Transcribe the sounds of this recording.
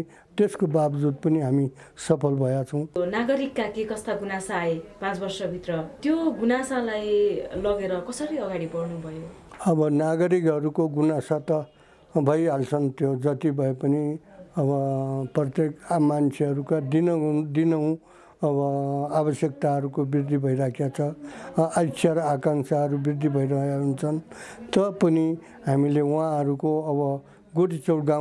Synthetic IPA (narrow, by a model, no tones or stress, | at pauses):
t̪eskobabd͡zud̪̚pʌniɦami | sʌpʰʌlbʱʌjat͡sʰʌ̃w̃naɡʌɾikːakekʌst̪aɡunasaːepãt͡sbʌrsʌbʱit̪rʌt̪joɡunasalajlʌɡeɾʌkʌsʌɾiʌɡaɽibʌrnubʱʌjo | ʌbʌnaɡʌɾikɦʌɾukoɡunasat̪ʌ | bʱʌjɦalt͡sʰʌnt̪jod͡zʌt̪ibʱʌepʌniʌbʌprʌt̪jekmant͡sʰeʌɾukad̪inʌd̪inʌw̃ | ʌbʌabʌsjʌk̚t̪aɦʌɾukobird̪ʱibʱʌiɾakʰjat͡sʰʌasʰaɾʌakaŋsaɦʌɾubird̪ʱibʱʌjɾʌɦjaɦunt͡sʰʌnt̪ʌpʌni | ɦamileuãʌɾukoʌbʌ | ɡuɽit͡sʌwɽɡa